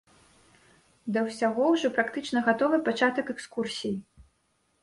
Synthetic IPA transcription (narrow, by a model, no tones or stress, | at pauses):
d̪ɐwsʲaɣɔwʐɔpɾakt̪ɨt͡ʂnɐɣat̪ɔvɨpat͡ʂat̪ɐkɛkskursʲiji